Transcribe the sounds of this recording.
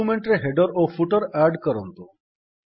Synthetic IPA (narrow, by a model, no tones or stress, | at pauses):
umeɳʈɾeɦeɖɔɾofʰuʈɔɾaɾɖkɔɾɔnt̪u